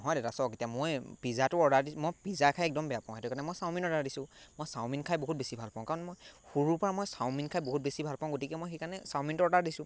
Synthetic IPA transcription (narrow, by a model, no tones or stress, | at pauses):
nɔɦɔjdetasɔketijamojpizatʊɔdadismojpizakʰajɛk̚dɔmbɛjapãʊ̃ɦɛtʊkaɹnɛmojsaw̃minɔdaɹdisʊ̃mojsaw̃minkʰajboɦut̚besibʱalpaʊ̃kaɹɔnmojxuɹuɹpɔɹamojsaʊminkʰajboɦut̚besibʱalpaʊ̃ɡotikɛmojxejkaɹnɛsawmintʊɔɔdaɹdisʊ̃